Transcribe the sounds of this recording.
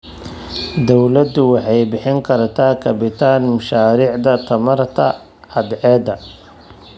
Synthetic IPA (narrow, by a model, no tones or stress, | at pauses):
d̪ɔwlɐd̪ʊwɑħɑjbɪħɪŋkʰɐrt̪ʰaːkʰɐbɪt̪ʰaːnmʊʃaːɾiːʕd̪ɐt̪ʰɐmɐrt̪ʰɐ̰ | ɐd̪ʕɛːd̪ɐ